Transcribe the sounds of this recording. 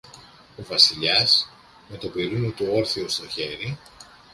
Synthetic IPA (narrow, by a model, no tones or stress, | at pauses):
ovɐsiʎɐs | me̞t̪o̞piɾunet̪uo̞ɾθiost̪o̞çe̞ɾi